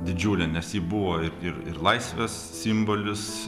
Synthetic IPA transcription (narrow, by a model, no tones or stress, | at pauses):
d̪ʲɪd͡ʒʲuːlʲɛnʲɛsjiːbʊʋoːɪɾɪɾɪ̰ɾlˠɐɪsʲʋʲeːs | sʲimboːlʲɪs